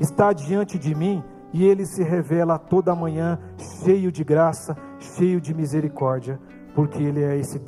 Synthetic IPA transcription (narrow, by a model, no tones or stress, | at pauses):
ɪst̪ad͡ʒiɐ̃nt͡ʃɪd͡ʒɪmĩ | ɪelɪsɪɦevɛlɐt̪od̪ɐːmɐ̃ɲɐ̃ | ʃejʊd͡ʒɪɡɾasɐ | ʃejʊd͡ʒɪmizeɾikɔɾd͡ʒiɐ | poɾkʰeelɪɛesɪ